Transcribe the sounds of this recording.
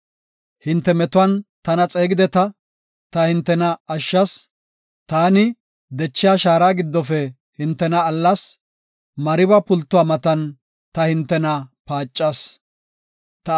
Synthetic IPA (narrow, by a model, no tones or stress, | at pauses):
hɪnt̪ːɛmɛt̪ʊwɐnt̪ɐnɐt͡sʼe̞ːɡɪd̪ɛt̪ɐ | t̪ɐhɪnt̪ːɛnɐːʃːɐs | t̪aːnɪ | d̪ɛt͡ʃːɪjaːʃaːɾaːɡɪd̪ːɔfɛ | hɪnt̪ːɛnɐːlːɐs | mɐɾɪbɐpʊlt̪ːʊwaːmɐt̪ɐn | t̪ɐhɪnt̪ːɛnɐpaːt͡ʃʼːɐs | t̪ɐ